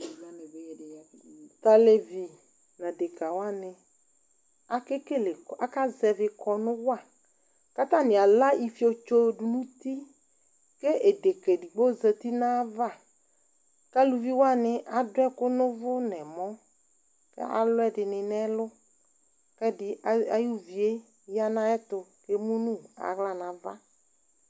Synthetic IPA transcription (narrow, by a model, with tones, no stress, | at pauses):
ta˨le˨vi˨ | nã˨de˨ka˨wa˦nɪ˨ | a˨kɪ˦ke˦lɪ˨a˦ka˦zɛ˨vɪ˨kʰɔ˨nʊ̃˦wa˦˨ | ka˦t̪a˦˨nɪ̃˨a˨la˦ʔi˨fi˦o˨t͡ʃo˦du˨nũ˦t̪i˦ | ke˦ʔe˨de˨ke˨di˨ɡ͡bo˦zə˨t̪i˦nã˦va˦˨ | ka˦lu˨vi˦wa˦˨nɪ˨ʔa˨dʊ˦ɛ˦kʊ˦nʊ̃˦vʊ˦nɛ˨mɔ̃˦ | kɛ̰˦a̰˨lʊ˦ɛ˦dɪ˨nɪ̃˨nɛ˦lʊ˦ | kɛ˦dɪ˨˦a˨ju˦vi˨e˦ | ja˦nã˦ɛ˦t̪ʊ˨ke˦mũ˦nũ˦a̰˨ɣla˦nã˨va̰˦